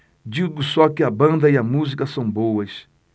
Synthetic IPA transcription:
d͡ʒiɡusɔkɪɐbɐ̃nd̪ɐiɐmuzikɐsɐ̃w̃bowɐs

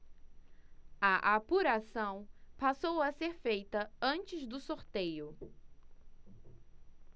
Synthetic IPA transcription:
ɐʔapuɾasɐ̃w̃pasowɐseɾfejt̪ɐɐ̃nt͡ʃɪzd̪ʊsoɾt̪ejʊ

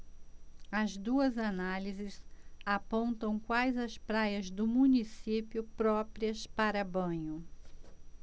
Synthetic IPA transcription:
ɐzd̪uɐzanalizɪzapõnt̪ɐ̃w̃kwajzɐspɾajɐzd̪ʊmũnisipiʊpɾɔpɾiɐspaɾɐbɐ̃ɲʊ

